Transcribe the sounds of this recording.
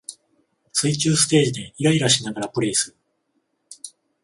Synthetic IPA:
sɨit͡ɕɨːsɨ̥t̪e̞ːʑid̪e̞iɡaiɾaɕinaɡaɾapɯ̟ɾe̞ːsɨ̥

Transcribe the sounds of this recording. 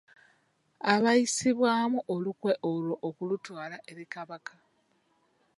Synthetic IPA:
aβajisiβwaːmuʔolukwe̞ʔolo̞ʔokulutwaːlaʔe̞ɾikaβaka

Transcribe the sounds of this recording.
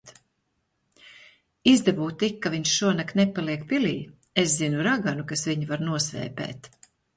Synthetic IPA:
t̪ | izd̪ɛbuːt̪ikːaviɲʃʃuɔnaknepːaliɛk̚piliː | eszinuɾaɡanukasviɲivaɾnuɔsvɛ̰ːpɛ̰ːt̪

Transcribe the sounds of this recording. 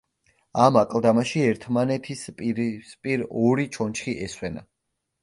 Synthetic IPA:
amakʼlˠd̪amaʃiɛɾt̪ʰmanɛt̪ʰispʼɾspʼiɾɔɾit͡ʃʰɔnt͡ʃʰχiʔɛswɛna̰

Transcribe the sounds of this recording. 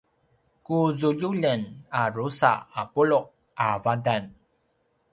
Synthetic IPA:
kuzuʎuʎənarusa̰apulʊʔ | avadan

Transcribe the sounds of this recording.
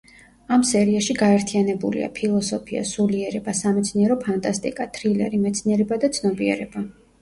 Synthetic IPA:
amsɛɾiaʃiɡaɛɾt̪ʰianɛbulḭa̰pʰilˠɔsɔpʰia̰suliɛɾɛbasamɛt̪sʰniɛɾɔpʰant̪ʼast̪ʼḭkʼat̪ʰɾilɛ̰ɾimɛt̪sʰniɛɾɛbad̪at̪sʰnɔbiɛɾɛba

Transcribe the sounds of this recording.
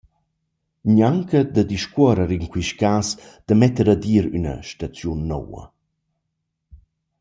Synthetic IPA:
ɲaŋkəd̪əd̪iʃkɔɾəɾiŋkwiʃkaːsd̪̥əmɛt̪əɾad̪iːɾynə̰ʃtat͡sjunːɔ̰wɐ̰

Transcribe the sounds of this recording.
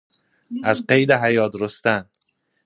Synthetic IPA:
az̥qejd̪aɦajɒt̪ɾost̪an

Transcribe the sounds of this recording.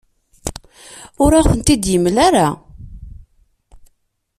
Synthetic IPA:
ʊɾaθənt̪id̪jəmːlaɾa

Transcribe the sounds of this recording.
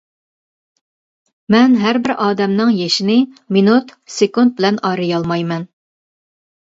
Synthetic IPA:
mɛnɦæɾbɪɾʔɑːd̪ɛmnɨŋjɛʃinɪminut̪sekund̪̚bɪlɛnɑːɾɨjɑlˠmɑjmɛn

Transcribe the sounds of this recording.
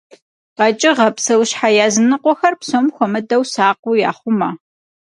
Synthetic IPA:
ʁɐt͡ʃʼɪʁɐpsɐwɕħajaːzɨnɨqʷɔxɐrpsomxʷɔmɐdɐwsaːq̚ʷʊja̰ːχʷʊmɐ

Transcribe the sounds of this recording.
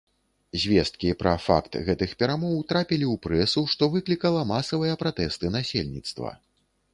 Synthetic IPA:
zʲvʲɛst̪̚kʲipɾɐ̰fa̰kt̪ɣɛt̪ɨxpʲɛɾamɔwt̪ɾapʲilʲiuwpɾɛsuʂt̪ɔvɨklʲikɐlˠɐmasɐvɨjɐpɾat̪ɛst̪ɨnasʲelʲnʲit̪st̪vɐ̰

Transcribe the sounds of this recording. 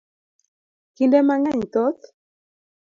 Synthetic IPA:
kindɛmaŋaɲt̪ɔt̪

